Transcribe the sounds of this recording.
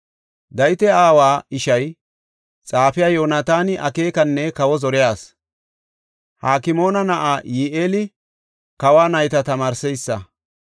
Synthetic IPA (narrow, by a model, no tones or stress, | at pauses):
d̪ɐjɪt̪ɛaːwaːɪʃɐj | t͡sʼaːfɪjaːjo̞ːnaːt̪aːnɪʔɐke̞ːkɐnːɛkɐwɔzɔɾɪjaːs | haːkɪmo̞ːnɐnɐʔaːjiːʔeːlɪ | kɐwaːnɐjt̪ɐt̪ɐmaːɾsɛjsːɐ